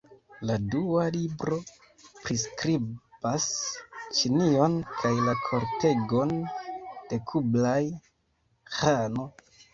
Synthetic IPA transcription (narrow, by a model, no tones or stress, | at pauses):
ladualibɾo̞ | pɾiskɾib̥ast͡ʃinio̞nkʰajlakʰo̞ɾte̞ɡo̞n | d̥e̞kʰublaj | hano̞